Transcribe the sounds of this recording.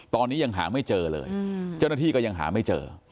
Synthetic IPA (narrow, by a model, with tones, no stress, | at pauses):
t̪ɔː˧nːiː˦˥ja˧ŋɦa̰ː˩˦ma˥˩jt͡ɕɤː˧lɤ̰ː˧jt͡ɕa˥˩wna˥t̪ʰiː˥˩kɔː˥˩ja˧ŋɦa̰ː˩˦ma˥˩jt͡ɕɤ̰ː˧